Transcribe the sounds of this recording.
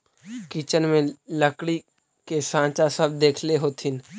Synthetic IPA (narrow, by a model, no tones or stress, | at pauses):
kit͡ʃənmẽləkɽi | kesãːt͡ʃasəb̚d̪eːkʰleɦoːt̪ʰɪn